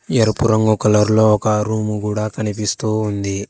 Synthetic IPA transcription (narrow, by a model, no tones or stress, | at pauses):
jɐɾupuɾɐŋɡukɐlɐɾulo̞ːɔkɐɾuːmuɡuːɽaːkɐnipist̪uːnd̪i